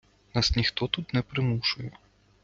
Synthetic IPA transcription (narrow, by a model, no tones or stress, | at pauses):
nasnʲixt̪ɔt̪ut̪nɛpɾɪmuʂʊjɛ